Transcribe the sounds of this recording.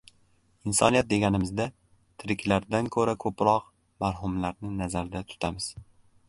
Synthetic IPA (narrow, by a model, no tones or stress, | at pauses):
ɪnsɒnijat̪̚d̪e̞ɡʲanɪmɪzd̪a | t̪ʰɪɾɪkʲlaɾd̪ankʰɵɾakʰɵpɾɒq | maɾɦʊmlaɾnɪnazaɾɪd̪at̪ʰʊ̥t̪ʰamɪz̥